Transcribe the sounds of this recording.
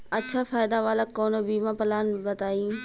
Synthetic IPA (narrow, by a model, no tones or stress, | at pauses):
ətːʃʰaːfaːɪd̪aːʋaːlakoːnoːbiːmãːpəlaːnbət̪aːĩː